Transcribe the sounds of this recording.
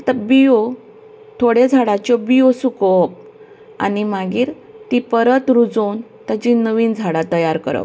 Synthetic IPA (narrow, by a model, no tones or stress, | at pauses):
t̪abio | t̪ʰoɽjed͡zʱaɽat͡ɕjɔbijosukɔp̚ | a̰nimaɡiːɾ | t̪ipəɾət̪ɾud͡zont̪ad͡ʑinəʋiːnd͡zʱaɽat̪əjaɾkə̰ɾə̰p